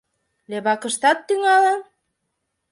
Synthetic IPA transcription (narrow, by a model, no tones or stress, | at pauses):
leβɑkə̆ʃt̪ɑt̪ːyŋɑlen